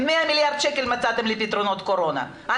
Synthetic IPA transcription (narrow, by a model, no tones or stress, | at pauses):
meamiljaʁd̪ʃekelmat͡sat̪emlipit̪ɾo̞no̞t̪ko̞ɾo̞na̰ | ʔa